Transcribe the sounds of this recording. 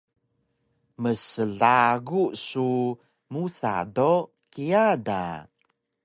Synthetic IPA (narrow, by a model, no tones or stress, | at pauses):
məsəɮaɡuʔsu | musa̰do | kiada̰